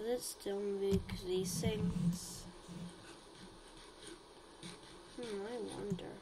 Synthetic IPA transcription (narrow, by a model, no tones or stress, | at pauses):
ðɨtstʰɪlˠmʉkɹisɪ̃ŋs | aɪwʌ̰̃ndə̰˞